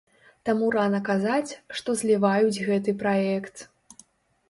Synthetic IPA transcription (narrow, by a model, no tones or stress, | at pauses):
t̪amuɾanɐkazat͡sʲʂt̪ɔzʲlʲivajud͡zʲɣɛt̪̬ɨpɾaɛkt̪